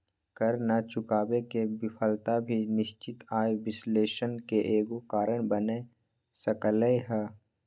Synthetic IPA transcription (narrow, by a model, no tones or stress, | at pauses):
kəɾnat͡ʃʊkaːbekebɪpʰəlt̪abʱinɪʃt͡ʃɪt̪aːeʋɪsleːʃənkeʔeːɡokaːɾəɽ̃bəne | səkləeɦɛː